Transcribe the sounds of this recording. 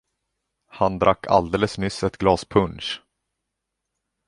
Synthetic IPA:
hand̪ɾakːa̰ld̪eːləsmʏsːɛt̪ɡlɑːspʰɵnʂ

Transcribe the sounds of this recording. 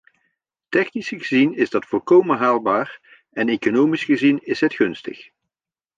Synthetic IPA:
tɛχnisɣəzinɪzdɑtfɔlˠkowmənɦaːlˠbaːr | ɛnejkonowmisχəzinɪsɦətχɵnstə̰χ

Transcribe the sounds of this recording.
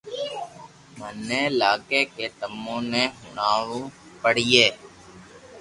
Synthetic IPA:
mənːẽːlaːkeːkeːt̪əmːõːnẽːɦʊ̰ɳaːʋoː | pəɽijeː

